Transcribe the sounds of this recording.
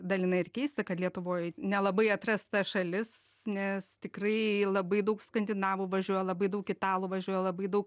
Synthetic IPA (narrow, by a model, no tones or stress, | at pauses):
d̪ɐlʲɪnɐɪɪrkʲɛɪst̪ɐkɐt̪lʲiɛt̪ʊʋoːjnʲɛlˠɐbɐɪɐt̪rɐst̪ɐʃɐlʲɪs | nʲɛst̪ʲɪkrɐɪlˠɐbɐɪd̪ɐʊkskɐnʲd̪ʲɪnɑːʋʊʋɐʒʲuɔjɛlˠɐbɐɪd̪ɐʊkʲɪt̪ɑːlˠʊʋɐʒʲuɔjɛlˠɐbɐɪd̪ɐʊk